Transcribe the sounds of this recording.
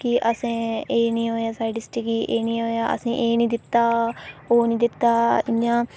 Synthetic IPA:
kɪʔəsẽːeːnĩːɦoːjaːsaːɪɖɪsʈikiʔeːnĩːɦoːjaːʔə̰sĩːʔeːnĩːd̪ɪt̪ːaːoːnĩːd̪ɪt̪ːaːɪjãː

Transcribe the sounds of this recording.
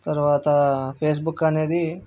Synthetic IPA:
t̪ɐɾʋaːt̪ɐpʰeːs̬bukːɐneːd̪i

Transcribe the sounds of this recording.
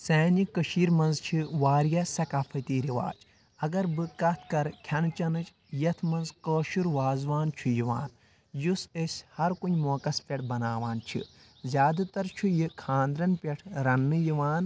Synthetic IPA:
seːnikəʃiːɾmɐnzt͡ʃʰiʋaːɾjɐsɐkaːpʰɐt̪iːɾiʋa̰ːt͡ʃ | ɐɡɐɾbɨkɐt̪ʰkɐɾkʲʰjɐnt͡ʃɐnɨt͡ʃ | jɐt̪ʰmɐnzkəːʃuɾʋaːzʋaːnt͡ʃʰujiʋa̰ːn | jusesʲhɐɾkunʲmoːkɐspʲeʈʰbɐnaːʋaːnt͡ʃʰḭ | zʲjaːd̪ɐt̪ɐɾt͡ʃʰujikʰãːnd̪ɾɐnpʲeʈʰɾɐnːɨjiʋaːn

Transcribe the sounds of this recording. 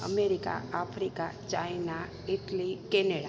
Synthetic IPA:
ə̰meɾika̰apʰɾikat͡ʃajna | iʈlikeneɽa

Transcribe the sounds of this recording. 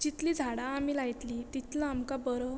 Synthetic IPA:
d͡ʑit̪liːd͡zʱaɽaːmilajt̪liːt̪it̪laamkabəɾə

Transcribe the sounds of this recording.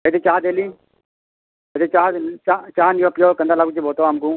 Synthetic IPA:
ed̪et͡ʃaːd̪eːlĩː | ed̪et͡ʃaːt͡ʃat͡ʃaːnijopjoːkənd̪aːlaːkut͡ʃibʱoːt̪oaːmkũː

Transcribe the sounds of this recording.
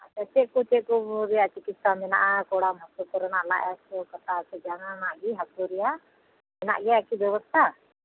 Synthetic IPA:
at͡ʃɛt͡ʃɛʔkut͡ʃɛʔkubɾɛjaʔt͡ʃikit̪samɛnaʔakɔɽamɔsɔkɔɾɔnaʔla̰ʔasɔkɔt̪asɛd͡ʒaŋanaʔɡiɦakuɾɛja | mɛna̰ʔɡɛakibjɛwɔst̪ʰa

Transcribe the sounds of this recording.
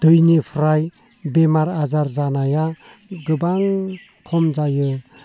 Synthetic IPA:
d̪̥ɯjnipʰɾaj | bemaɾazaɾzanaja | ɡɯbaŋ | kʰɔmd͡ʒajɯ

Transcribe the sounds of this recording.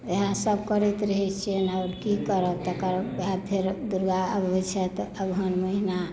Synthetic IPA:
eɦãsəbkəɾɛt̪ɾəɦɛt͡ʃʰenaʊɾkikəɾəkt̪əkəɾbɦãp̪ʰeɾd̪uɾɡaəbʱet͡ʃʰɛt̪əbɦənməɦina

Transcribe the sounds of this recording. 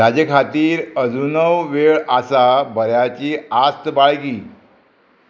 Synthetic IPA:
ad͡ʑəkʰat̪iːɾəd͡zunəwʋeɭasabəɾjat͡ɕiːast̪baɭɡiː

